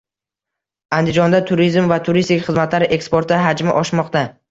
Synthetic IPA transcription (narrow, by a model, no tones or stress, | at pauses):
and̪ɪd͡ʒɒnd̪at̪ʰʊɾizmvat̪ʰʊɾist̪ɪkʲχɨzmat̪laɾʔe̞kspo̞ɾt̪aɦad͡ʒmɪʔɒʃmɒqt̪a